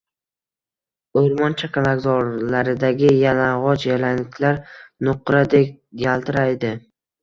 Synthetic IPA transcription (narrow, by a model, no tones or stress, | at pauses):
oɾmɒnt͡ʃʰakʰʲanaɡzɒɾlaɾɪd̪aɡʲɪjanaʁɒd͡ʒjalanɪkʲʰlaɾnʊqɾad̪ek̚ʲ | ɡalˠt̪ʰɪɾajd̪ɪ